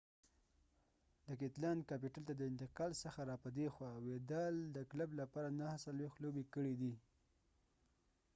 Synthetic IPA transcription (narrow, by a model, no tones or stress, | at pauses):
d̪əkɪt̪lankapiʈalt̪ad̪əɪnt̪ɪqɑlsəxaɾɑpəd̪exwɑwed̪ald̪əklablapɑɾanahasalwext̪lobekəɽid̪i